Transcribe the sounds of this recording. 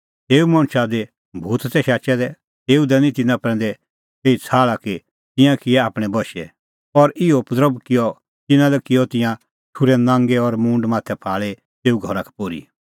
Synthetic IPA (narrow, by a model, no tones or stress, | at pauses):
t̪eːumɐ̃ɽ̃ʃad̪e | bʱuːt̪sɛʃaːt͡ʃɛd̪ɛ | t̪eːud̪ɛnĩt̪ɪnãpɾɛ̃ːn̆d̪ɛ | eːit͡sʰaːɭaki | t̪ɪ̃jãkɪɛaːpɽ̃ɛbɔʃɛ̰ | ɔɾʔɪɔpd̪ɾəbkɪjɔ | t̪ɪnãlɛkɪjɔt̪ɪ̃jã | ʈʰuɾɛnãːŋɡeɔɾmũːɳɖmaːt̪ʰɛpʰaːɭe | t̪eːuɡʱɔɾakʰɛ̥poːɾḭ